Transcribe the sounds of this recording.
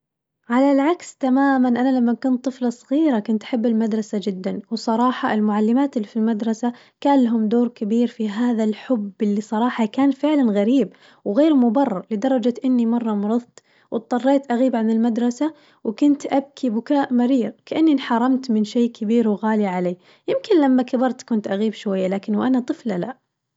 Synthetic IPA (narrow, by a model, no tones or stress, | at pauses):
ʕalalʕakst̪amaːmanʔanalamːakʊnt̪ˤːɨflɑsˤɣiːɾakʊnt̪ʔḁħabːɪlmad̪ɾˤɑsad͡ʒɪd̪ːanwsˤɑɾˤɑːħɑʔɪlmʊʕalːɪmaːt̪ɪlːifilmad̪ɾˤɑsa | kaːnlːaɦʊmd̪oːɾkabiːɾfiɦaːðalħʊbːɪlːisˤɑɾˤɑːħɑkaːnfɪʕlanɣaɾiːb | wɣeːɾmʊbɑrˤːɑɾˤlɪd̪ɑɾˤːɑd͡ʒat̪ʔɪnːimɑrˤːɑmɾɨðˤt̪ | wʔɪt̪̚ˤːɑrˤːeːt̪ʔaɣiːbʕanɪlmad̪ɾˤɑsa | wkʊnt̪ʔab̚kʰibʊkaːʔmaɾiːɣkaʔanːinħɑɾˤːɑmt̪mɪnʃeːkabiːɾwɣaːliʕaleː | jɪmkɪnlamːakabɑɾˤt̪kʊnt̪ʔaɣiːbʃwajːalaːkɪnwʔanat̪ˤɨflala